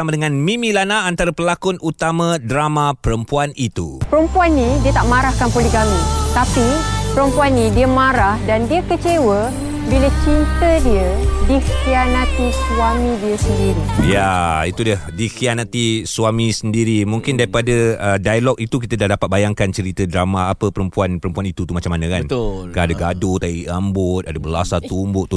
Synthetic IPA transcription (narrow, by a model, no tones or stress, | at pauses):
amadəŋãnmĩmĩlanaːnt̪aɾapəlakʊnut̪amãdɾamãpəɾəmpuanit̪ṵpəɾəmpuanːĩdiət̪aʔmaɾahkanpolikamĩt̪apipəɾəmpuanːĩdiəmãɾahdandiəkət͡ʃewə | bilət͡ʃint̪ədiədikianat̪iswamĩdiəsəndiɾijait̪udəhdikianat̪isuamisəndiɾimuŋkɪndaɾipadəədajalɔk̚it̪uk̬it̪ədahdapat̪̚bajaŋkant͡ʃəɾit̪ədɾamaːpəpəɾəmpuanpəɾəmpuanit̪ut̪umat͡ʃamːanəkant̪kaadaɡadot̪aiʔambʊt̪̚adəbəlasat̪umbʊʔt̪u